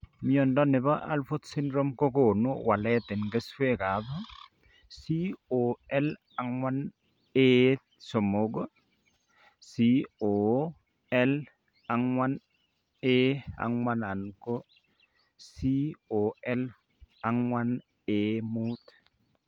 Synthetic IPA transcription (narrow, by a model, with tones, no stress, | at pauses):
miɔ˨ndɔnɪ˨βa˦ʔa̰˦lfo˦t̪sɪ˦ndɾo˦mko˦ko˨nuwa˨lɛ˦t̪ɪ˨nɡe˦swe˦ka˨ðo˦ | si˦o˨ɛ˦l | aŋwa˦n | e˦ | so˨moɡo˦ | sio˨ | ɛ˦l | a˨ŋwa˦n | ea̰˨ŋwana˨nko˦ | si˦o˨ɛ˦l | aŋwan | emu˦t